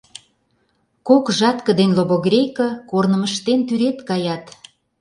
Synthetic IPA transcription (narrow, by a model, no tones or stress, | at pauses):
kokʒɑt̪kə̆d̪enloβoɣrʲejkəkornəməʃt̪ent̪yɾet̪kɑjɑt̪